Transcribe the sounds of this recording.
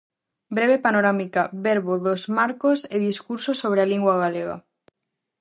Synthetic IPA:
bɾeβ̞epanoɾamikaβeɾβoðozmaɾkoseðiskuɾsosoβ̞ɾealiŋɡwaɣaleɣa̰

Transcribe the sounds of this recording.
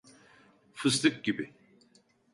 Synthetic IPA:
fɨst̪ɨk̚ɡʲibi

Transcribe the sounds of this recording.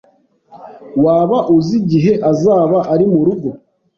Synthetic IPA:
waːβaʔuziɟiɦe̞ʔazaːβaʔaɾimuɾuɡo

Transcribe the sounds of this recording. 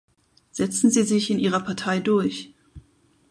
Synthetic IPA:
z̥ɛt͡sn̩ziːzɪçɪnʔiːʁ̞ɐpʰaɐtʰaɪdʊɐç

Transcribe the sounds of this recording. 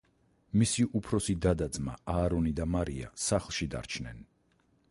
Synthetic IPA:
misiʔupʰɾɔsid̪ad̪ad̪zma̰aːɾɔnid̪amaɾia̰saχlˠʃid̪a̰ɾt͡ʃʰnɛ̰n

